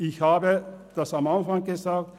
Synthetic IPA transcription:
ɪçhaːbəd̥asamanfãŋ̚ɡ̥ezaːk̚t

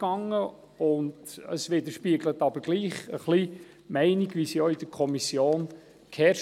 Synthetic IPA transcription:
ɡ̥ɑŋːə | ʊndə̰sʋɪd̪əɾʃpiəɡlətɑbəɾɡ̥liːχəχli | mɛɪniɡʋisijɔid̥əɾkʰɔmisjoːn | kʰɛʃ

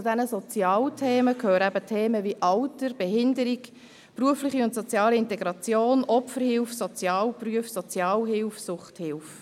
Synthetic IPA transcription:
t͡sudɛnəsɔt͡sjɑːltʰeːməkʰøːɾəæbətʰeːməʋiʔɑltəɾb̥ɛɦɪndəɾik | pruəflɪχiʊntsɔt͡sjɑːliɪntɛɡɾɑt͡sjoːnʔɔpfəɾhɪlfsot͡sjɑːlpryəfsɔt͡sjɑːlɦɪlfsʊχthɪlf

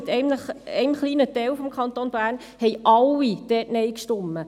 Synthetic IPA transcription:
t̪ɛɪnəχɛɪmχliːnətɛwfɔmkʰχɑnt̪oːnb̥æːɾn | hɛɪʔɑlːid̥ɛːtnɛɪkʃtɔmːə

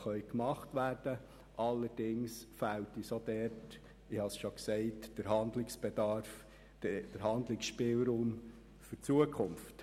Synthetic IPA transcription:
χœʏkmɑχtʋæːɾd̥ə | ʔɑlːəɾd̥ɪŋsfæwtisod̪ɛɾt | ɪhɑsʃoksɛɪtd̥əɾɦɑnd̪lɪksb̥ɛdɑɾf | d̥əɾɦɑndlɪksʃpɪlɾuːm | fʏt͡suəkʰʊmft

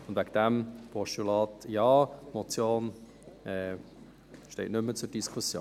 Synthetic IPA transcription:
ʊndʋæɡədɛmpʰɔʃtulɑːtjɑːmɔt͡sjoːn | ɛː | ʃtɛɪtnʏmːət͡sʊd̥iskʰusjoː

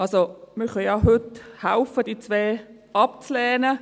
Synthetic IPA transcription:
ɑlsoməχəjɑɦʏthaʊfəd̥iːt͡sʋɛː | ɑpt͡slɛːnə

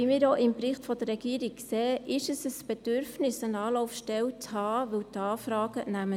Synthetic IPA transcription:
imiːɾoʔɪmpɾɪχtfɔd̥̪əɾːɛɡ̥iːəɾik̚kseːʔɪʃəsəsb̥ed̥ʏɾfnɪsənɑːlɔʊfʃtɛwt͡shɑːʋɪwtɑːfɾɑːɡ̥ənæmə

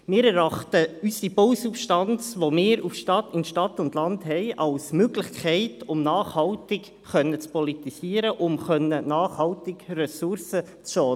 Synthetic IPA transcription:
mɪːɾɛɾɑχtəysibowsupʃtɑnt͡sʋomɪːɾufʃtɑtɪnʃtɑtːʊndlɑndɦɛɪʔɑlsmøɡlɪχkʰɛɪtʊmnɑːχhɑltɪk | χœnːət͡spɔlitisiːəɾəʔʊmχœnːənɑːχhɑltɪkrɛsʊɾsə | t͡sʃɔː

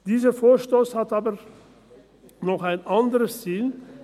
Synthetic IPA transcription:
d̥iːzəfoːɐʃtoːshatʔaːbə | nɔχaɪnʔandəʁəsziːl

